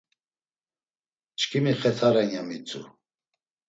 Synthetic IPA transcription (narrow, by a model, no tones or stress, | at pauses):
t͡ʃʰkʰimiχɛt̪ʰaɾɛnjamit͡sʰʼṵ